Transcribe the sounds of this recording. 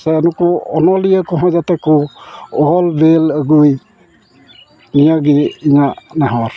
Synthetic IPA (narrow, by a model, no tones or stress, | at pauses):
sɛnukɔɔnɔlijəkɔɦɔjzatɛkɔɔɔlbeləɡuj | nijaɡiiɲanaɦɔɾ